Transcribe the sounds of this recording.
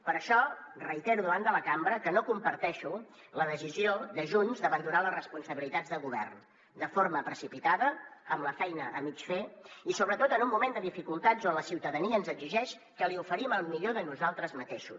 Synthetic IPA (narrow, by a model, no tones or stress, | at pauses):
pəɾəʃɔrəit̪ɛɾuðəβand̪ələkambɾəkənokumpəɾt̪ɛʃu | ləðəsizioðəʒuɲzd̪əβənd̪unaləzrəspunsəβilit̪ad͡zðəɣuβ̞ɛ̰rn | d̪əfoɾməpɾəsipit̪aðəːmləfɛjnəəmit͡ʃfeisoβɾət̪ot̪ənummːumend̪əðifikulˠt̪azonləsiwt̪əðəniəːnzəɡziʒɛʃ | kəliufəɾiməlˠmiʎoðənuzalˠt̪ɾəzmət̪eʃṵs